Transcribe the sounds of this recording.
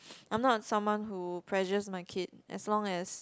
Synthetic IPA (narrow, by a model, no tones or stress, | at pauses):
ʔãj̃mnɔt̚sãmwãnhupʰɹɛʒəsmaɪkʰɪd̚ʔɛ̰slɔ̃ŋɛs